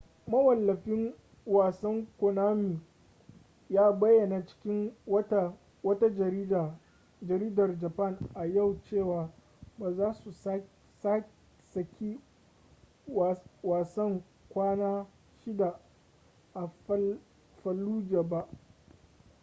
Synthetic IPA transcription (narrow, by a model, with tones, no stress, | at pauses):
mɐ˦wɐ˨lːɐ˨ɸɪ˦ŋ | waː˨sɐ˦ŋkʷo˨naː˦miː˨ | jaː˦bɐ˦jːɐ˨na˨t͡ʃɪ̥˦kʲɪ˦ŋ˦ | wɐ˦ta˦˨ | d͡ʒɐ˨ɾiː˦dɐ˨rd͡ʒa˨pɐ˦˨ŋʔa˨ja˦˨wt͡ʃeː˦˨waː˨ | baː˨zaː˦su˨˦ | sa˦ | sɐ˨kʲʰi˦ | waː˨sɐ˦ŋ | kʷaː˦naː˦ | ʃɪ˦da˨ | ʔa˨ | ɸɐ˨lːuː˦d͡ʒaː˨ba˦ʔ